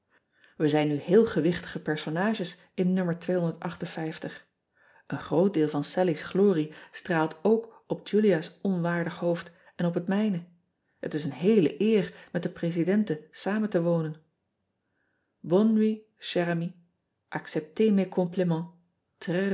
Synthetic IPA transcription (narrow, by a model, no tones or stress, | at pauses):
ʋəzɛjnːyɦɪːlˠχəʋɪχtə̥χəpɛɹsonaːʒəs | ɪnːøməɹtʋejɦɔndəɹtɑχtənfɛjftəχ | ʔənχrowt̚dɪːlˠvɑnsɛlisχloːristraːlˠtowk | ɔp̚d͡ʒyliasɔnʋaːɹdəχɦowft | ɛnɔpɦətmɛjnə | ɦətɪsənɦejlə̰ʔɪːrmɛt̚dəprezidɛntəsaːməntəʋownən | bɔni | ʃɛrami | ʔɑksɛp̚temekʰɔmplimɑ̃ | trɛ